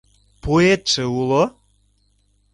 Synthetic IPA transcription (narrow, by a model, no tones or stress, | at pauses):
puet̪ʃĕulo